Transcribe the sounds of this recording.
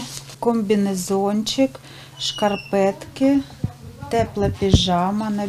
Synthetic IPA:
kɔmʲbʲinezɔnʲt͡ʃɪk | ʃkɐrpɛt̪kɪ | t̪ɛplˠɛpʲiʒɑmɐnɐ

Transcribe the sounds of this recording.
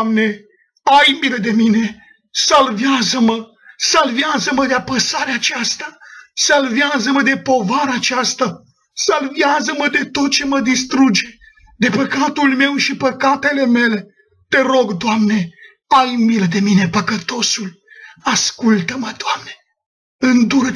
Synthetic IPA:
mne̞ | ajmiləd̪e̞mine̞ | salveazəmə | salveazəməd̪eapəsaɾeaːt͡ʃast̪asalveazəməd̪e̞po̞vaɾaːt͡ʃast̪a | salveazəməd̪e̞t̪o̞t̪̚t͡ʃe̞məd̪ist̪ɾud͡ʒe̞ | d̪e̞pəkat̪ulme̞wʃipəkat̪e̞le̞me̞le̞ | t̪e̞ɾo̞ɡd̪oʊamne̞ | ajmiləd̪e̞mine̞pəkət̪o̞sulaskult̪əməd̪oamne | ɨnd̪uɾə

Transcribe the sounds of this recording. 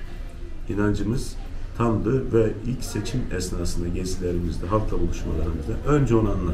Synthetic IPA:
inand͡ʒɯmɯz̥t̪ʰand̪ˠɯvɛilʲcset͡ʃʰimɛsnaːsɯnd̪aɟɛsilʲeɾimizd̪ɛɦalt̪ʰabulˠuʃmalˠaɾɯmɯzd̪aʔønd͡ʒɛonanlˠa

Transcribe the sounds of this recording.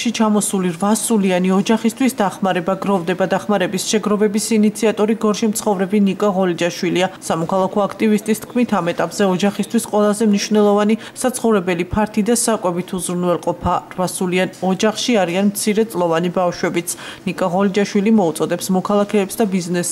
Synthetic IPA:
ʃit͡ʃʰamɔsuliɾvasulianiɔd͡ʒaχist̪ʰwisd̪aχmaɾɛbaɡɾɔvd̪ɛbad̪aχmaɾɛbisʃɛɡɾɔvɛbisinit̪sʰiat̪ʼɔɾiɡɔɾʃimt̪sʰχɔvɾɛbinikʼaʁɔlid͡ʒaʃwiliasamɔkʰalˠakʰɔakʰt̪ʼivist̪ʼist̪ʰkʰmit̪ʰamɛt̪ʼapʼz̥ɛɔd͡ʒaχist̪ʰwisqʼwɛlˠazɛmniʃvnɛlˠɔvani | sat̪sʰχɔvɾɛbɛlipʰaɾt̪ʰid̪asakʼwɛbit̪ʰuzɾunvɛlˠqʼɔpʰaɾvasulianɔd͡ʒaχʃiaɾianmt̪sʰiɾɛt̪sʼlˠɔvanibafʃwɛbit̪sʰnikʼaʁɔlid͡ʒaʃwilimɔut̪sʼɔd̪ɛpsmɔkʰalˠakʰɛːpsd̪abiznɛs

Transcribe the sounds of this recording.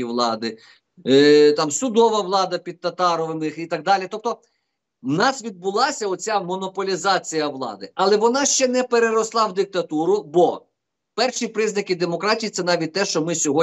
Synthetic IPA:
iʋlˠɑd̪ɪ | t̪ɑmsʊd̪ɔʋɐʋlˠɑd̪ɐpʲid̪̚t̪ɐt̪ɑɾɔʋɪmɪxit̪ɐɡ̚d̪ɑlʲit̪ɔp̚t̪ɔ | nɑsʋʲid̪̚bʊlˠɑsʲɐɔt͡sʲamɔnɔpɔlʲizɑt͡sʲijɐʋlˠɑ̰d̪ɪɐlˠɛʋɔnɑʃt͡ʃɛnɛpeɾeɾɔslˠɑwd̪ɪk̚t̪ɐt̪uɾʊbɔ | pɛrʃipɾɪznɐkʲid̪emɔkɾɑtʲijit̪sɛnɑʋʲit̚ʲt̪ɛʃt͡ʃɔmɪsʲɔɦɔ

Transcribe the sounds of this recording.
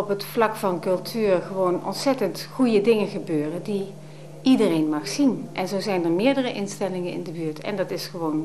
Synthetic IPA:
ɔpɦətflɑkfɑnkɵlˠtʰyːrχəʋownɔ̰ntsɛtəntχujədɪŋənχəbøːrədi | ʔidərejnmɑχsinʔɛnzowzɛjnəɹmɪːɹdərəʔɪnstɛlɪŋənɪ̰ndəbyːɹtɛ̰ndɑtɪsχəʋown

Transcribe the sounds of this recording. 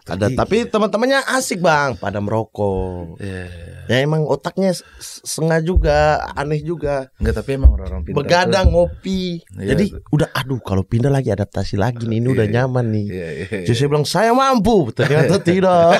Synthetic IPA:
a̰daapit̪əmənt̪əmanɲaʔasɪk̚baŋpadamɾokɔ | jaemaŋot̪ak̚ɲasəŋad͡ʒuɡaa̰nɛhd͡ʒuɡa | bəɡadaŋopid͡ʒd͡ʒadiudahʔadukalopindalaɡiadap̚t̪asila̰ɡiniːniudahɲamanːɪhd͡ʒas̬ajabilaŋsajamamp̬ubət̪nmat̪ot̪ido

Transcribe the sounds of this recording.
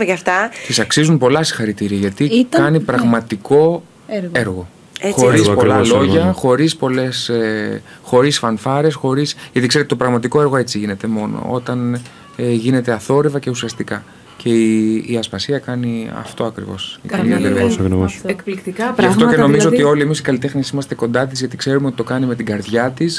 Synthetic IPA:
mʝɐft̪ɐt̪isɐksizunpo̞lɐsi̥xɐɾit̪iɾiɐʝɐt̪ikɐnipɾɐɣmɐt̪iko̞ | eɾɣo̞ | xo̞ɾispolɐlo̞ʝɐxo̞ɾispo̞le̞se | xo̞ɾisfɐnfɐɾe̞sxo̞ɾisʝɐt̪iksɾt̪ːt̪opɾɐɣmɐt̪̬iko̞e̞ɾɣo̞e̞t͡siʝine̞t̪e̞mo̞no̰o̞t̪ɐn | eʝine̞t̪e̞ɐθo̞ɾevɐce̞usiɐst̪ikɐ | ce̞iːɐsfɐsiɐkɐniɐ̰ft̪o̞ɐkɾḭvo̞̰siciɾiɐeskplikt̪ikɐft̪oceno̞mizoot̪io̞liemisi̥kɐlit̪e̞xnisimɐst̪e̞ko̞nd̪ɐt̪izʝɐt̪ikse̞ɾumeot̪i̥t̪o̞kɐnime̞t̪iɡɐɾðʝɐt̪is

